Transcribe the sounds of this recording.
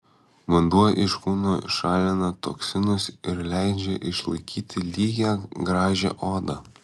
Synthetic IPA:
ʋɐnd̪uɔjʔɪʃkuːnoːʃɑːlʲɪnɐt̪oksʲɪnʊsɪɾlʲæɪd͡ʒʲɛʔɪʃlˠɐɪkʲʰiːt̪ʲɪlʲiːɡʲæɡɾɑːʒʲɛ̰ʔoːd̪ɐ

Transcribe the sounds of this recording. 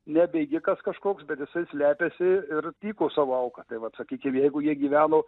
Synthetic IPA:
nʲɛbʲɛɪɡʲɪkɐskɐʃkoːksbʲɛt̪jɪsɐɪsʲlʲæːpʲesʲɪɪrt̪ʲiːkoːsɑːʋoːɐʊkɐt̪ɐɪʋɐt̪sɐkʲiːkʲɪmjɛɪɡʊjiɛɡʲiːʋʲæːnoː

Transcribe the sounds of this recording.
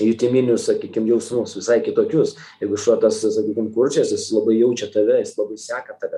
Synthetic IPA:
jʊt̪ʲimʲinʲʊssɐkʲiːkʲɪmjɛʊsnusʋʲɪsɐɪkʲɪt̪oːkʲʊs | jɛɪɡʊɪʃɐt̪ɐssɐkʲiːkʲɪmkʊrʲt͡ʃʲɛsjɪslˠɐbɐɪjɛʊt͡ʃʲɛt̪ɐʋʲɛjɪslˠɐbɐɪsʲæːkɐt̪ɐʋʲɛ

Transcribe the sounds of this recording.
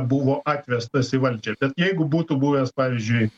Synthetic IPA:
buʋoːʔɑːtʲʋʲɛst̪ɐsɪʋɐlʲd͡ʒʲɛːb̥ʲɛt̪jɛɪɡʊbuːt̪ʊbuːʋʲeːspɑːʋʲɪzʲd͡ʒʲʊɪ

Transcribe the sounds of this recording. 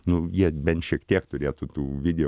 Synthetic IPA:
nʊjiɛbʲɛnt̪ʃʲiɛkt̪ʲiɛkt̪ʊɾʲeːt̪ʊt̪uːʋʲɪd̪ʲɛ

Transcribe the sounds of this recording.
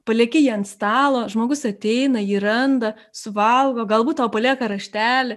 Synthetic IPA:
pɐlʲeːkʲɪjiːɐnt̪st̪ɑːlˠoːʒmoːɡʊsɐt̪ʲɛɪnɐiːɾɐnd̪ɐ | sʊʋɐlˠɡoːɡɐlˠbuːt̪t̪ːɐʊwpɐlʲiɛkɐɾɐʃʲt̪ʲæːlʲɪ

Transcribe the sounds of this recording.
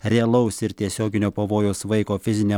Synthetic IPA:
ɾʲɛɛlˠɐʊsɪɾt̪ʲiɛsʲoːɡʲɪnʲoːpɐʋoːjoːsʋɐɪkoːfʲɪzʲɪnʲɛ

